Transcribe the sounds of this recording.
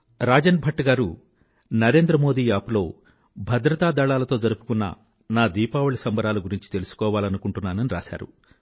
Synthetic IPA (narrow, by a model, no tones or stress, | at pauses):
ɾaːd͡ʒɐnbʱɐʈːɐɡaːɾu | nɐɾe̞ːnd̪ɾɐmo̞ːd̪iːaːpulo̞ː | bʱɐd̪ɾɐt̪aːd̪ɐɭaːlɐt̪o̞ːd͡ʒɐɾupu̥kunːɐ̰ | naːd̪iːpaːʋuɭɐsɐmbɐɾaːlɐɡuɾiɲt͡ʃi̥t̪e̞lusu̥kɔːʋaːlɐnukuɳʈunːaːnɐniɾa̰ːʃa̰ːɾṵ